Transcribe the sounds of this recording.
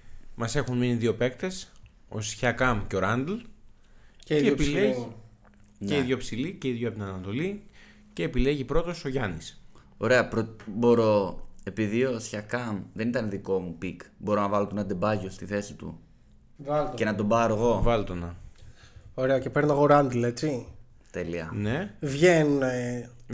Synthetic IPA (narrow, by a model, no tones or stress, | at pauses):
mɐse̞xunminiðio̞pe̞kt̪e̞s | o̞̰sçɐkɐmceoɾɐnd̪l | epile | neiðʝo̞psilice̞iðʝopt̪inɐnɐt̪o̞li | ce̞ːpile̞ʝipɾo̞t̪o̞so̞ʝɐnis | o̞ɾe̞ɐpɾobo̞ɾo̞e̞piðio̞sçɐkɐmðe̞nit̪ɐneðiko̞mupikbo̞ɾo̞nɐvɐlot̪onɐd̪ebɐʝo̞st̪iθe̞sit̪ṵ | vɐlt̪cenɐt̪o̞bɐɾoɣo̞vɐlot̪onɐ | o̞ɾeɐce̞peɾnɐɣo̞ɾɐnd̪ilet͡si | t̪e̞liɐnevʝenune